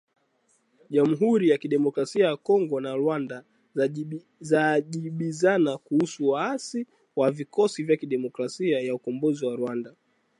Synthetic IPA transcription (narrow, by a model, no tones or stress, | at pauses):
ʄam̩ɦuɾijakiɗɛmɔkɾasiajakɔŋɡɔnaɾwanda | zaʄiɓizanakuhusuwaasi | wavikɔsivjakiɗɛmɔkɾasiajaukɔmbɔziwaɾwanda